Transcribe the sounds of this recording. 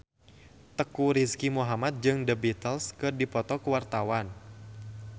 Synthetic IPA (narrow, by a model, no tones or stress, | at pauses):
t̪əkuɾiskimuɦamat̪̚d͡ʒɨŋdəbit̪əlskɨrdipɔt̪ɔkəwart̪awan